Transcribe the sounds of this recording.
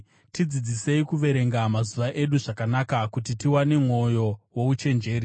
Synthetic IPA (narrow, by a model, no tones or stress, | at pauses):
tid͡zid͡zise̞ikuʋe̞ɾe̞ŋɡamazuʋaʔe̞ɗuʐakanakakutitiwane̞mŋwo̞jo̞wo̞ut͡ʃe̞nd͡ʒe̞ːɾi